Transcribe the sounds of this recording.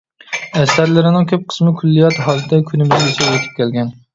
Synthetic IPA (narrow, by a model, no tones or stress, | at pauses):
æsʲæɾlɪɾɪnɪŋkʲʰøp̚qʰə̥smɪkʲʰylːijɑt̪ɦɑlˠd̪ɛkʲʰynɪmɪzʲisɛwot̪ʰɪ̥p̚kʲælɡʲɛn